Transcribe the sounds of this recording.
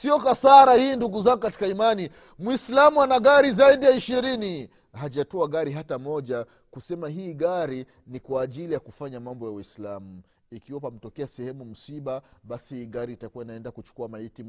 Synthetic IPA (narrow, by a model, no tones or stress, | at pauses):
siɔkasaɾahiːnduɡuzaŋɡukati̥kaimani | mwislamuanaɠaɾizaiɗijaiʃiɾini | haʄatɔaɠaɾiɦatamɔʄa | kusɛmaɦiːɠaɾi | nikwaːʄilijakufaɲamambɔjawislamu | ikiwapam̩tɔkɛasɛhɛmum̩siɓaɓasihiːɠaɾiːtakuwainaɛndakut͡ʃu̥kuamaiti